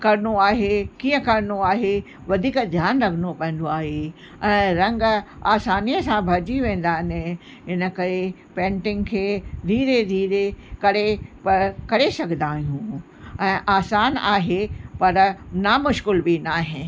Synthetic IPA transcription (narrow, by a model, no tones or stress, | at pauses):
kɐɾnoaːɦekiːə̃kɐɾnoaːɦe | ʋɐd̪ʱiːkd̪ʱjaːnɾɐkʰənopɛ̃ɦɪ̃n̆d̪oaːɦe | ɛ̃ːɾɐ̃ŋɡaːsaːnijəsãbʱɐd͡ʑiʋẽːn̆d̪aːɦɪnɪ | ɦɪnə̆kɐɾe | pẽːɳʈɪ̃ŋɡkʰeːd̪ʱiːɾed̪ʱiːɾekɐɾepɐɾkɐɾesɐɡʱnd̪aːɦijũː | ɛ̃ːʔaːsaːnaːɦepɐɾnamʊʃkɪlbʱinaːɦɪ̃